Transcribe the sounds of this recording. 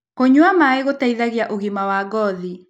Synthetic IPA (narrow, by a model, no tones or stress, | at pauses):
koɲwamaeɣotaiðaɣjaʔoɣimawaɡɔði